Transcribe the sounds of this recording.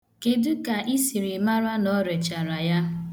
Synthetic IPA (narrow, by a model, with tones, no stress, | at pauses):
ke˨dʊ˦ka˨ʔi˦si˨ɾi˨ma˦ɾa˦nɔ˨˦ɾe˨t͡ʃa˨ɾa˨ja˦